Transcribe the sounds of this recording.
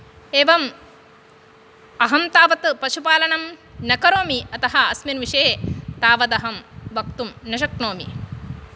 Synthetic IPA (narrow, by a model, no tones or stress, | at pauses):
eːʋɐm | ɐɦɐmt̪aːʋɐt̪pɐʃupaːlɐnɐmnɐkɐɾoːmiɐt̪ɐɦɐɐsmɐnʋiʂɐet̪aːʋɐd̪ɐɦɐmʋɐk̚t̪umnɐʃɐkɳoːmḭ